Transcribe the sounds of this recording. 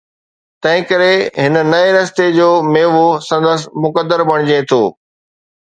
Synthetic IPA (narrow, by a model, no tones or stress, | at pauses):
t̪ɐ̃ɦɪ̃kɐɾeɦɪnə̆nɐeɾɐst̪ed͡ʑoːmeːʋosɐ̃nd̪əs̬mʊkəd̪əɾbɐɽ̃ɪd͡ʑẽt̪ʰoː